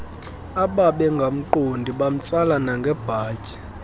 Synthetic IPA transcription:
aɓaɓɛŋɡʱam̩ǃondʱiɓam̩t͡sʼalanaŋɡʱɛb̥ʱaːcʼɛ̥

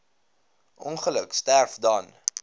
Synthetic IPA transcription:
ʔɔnχələkstærfdɐn

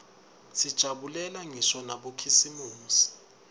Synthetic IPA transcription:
sid̥ʒ̥ʱaɓulɛlaŋisɔnaɓokʰisimuːsi̥

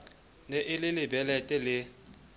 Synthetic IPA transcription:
neʔɪlɪlɪbɛlɛtʼɛlɪ

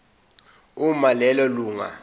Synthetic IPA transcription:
umalɛlɔluːŋa̰

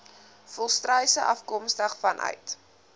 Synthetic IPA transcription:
fɔlˠstrəjsəʔɐfkɔmstəχfɐnʔœ̰ɥt

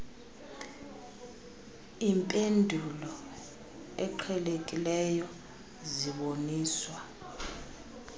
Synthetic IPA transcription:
iːmpʼendʱulɔ | ɛǃʰɛlekʼilɛjɔ | ziɓoniːswa

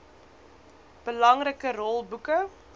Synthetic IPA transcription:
b̥əlɐŋrəkərɔlˠbukə

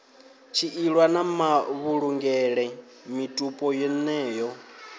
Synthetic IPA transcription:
t͡ʃʰiʔiɺwanamaβuɺuŋɡɛɺɛ | mitʼupʼɔjɛnɛːjɔ

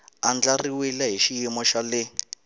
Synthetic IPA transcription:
and͡ɮariwilaɦiʃijimɔʃalɛ

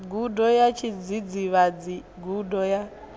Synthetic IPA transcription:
ɡudɔjat͡ʃʰid͡zid͡ziβad͡zi | ɡudɔja

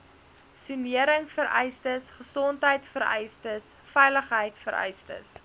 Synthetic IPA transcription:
syniəɾəŋfəɾɛjstəsχəsɔntɦəjtfəɾɛ̰jstəs | fɛjləχɦəjtfəɾɛ̰jstə̰s

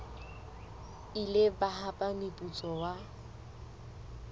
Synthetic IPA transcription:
ilɪbaɦapʼamɪpʼut͡sʼɔwa

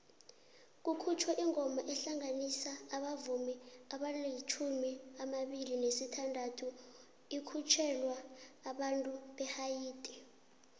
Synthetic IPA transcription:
k̬ʼukʰut͡ʃʰwɛʔiŋɔmaʔɛɬaŋanisaːɓavumiaɓaleit͡ʃʰumiamaɓilinesitʰandʱatʰu | ikʰut͡ʃʰɛlwaːɓantʼuɓɛhajiːtʼi̥

